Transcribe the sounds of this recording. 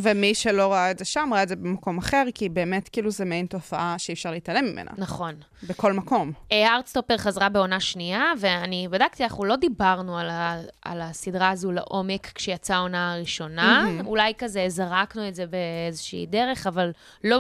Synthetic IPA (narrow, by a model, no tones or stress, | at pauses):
vemiʃelo̞ʁaaedzeʃamʁaaedzebemako̞maχe̞ʁkibe̞ːmetkiːluzemejnto̞faʔaʃeifʃaʁleitalemimʔḛna̰naχo̞n | beko̞lmako̞meaʁtst̪opeʁχazʁabe̞o̞naʃniaveanibadakt̪ianaχulo̞dibaʁnualaa̰lasidʁaːzula̰ʔo̞me̞kkːʃejat͡sao̞naːʁiʃo̞naulajkazezaʁaknuetzebeezeʃḭːdeʁe̞χaval | lo̞